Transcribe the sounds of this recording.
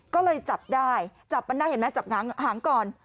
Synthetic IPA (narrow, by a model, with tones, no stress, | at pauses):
kɔː˥˩lɤː˧jt͡ɕa˨˩p̚daː˥˩jt͡ɕa˨˩pːma˧ndaː˥˩jhe˩˦mɛ˦˥t͡ɕa˨˩p̚ŋaː˩˦ŋɦaː˩˦ŋkɔː˨˩n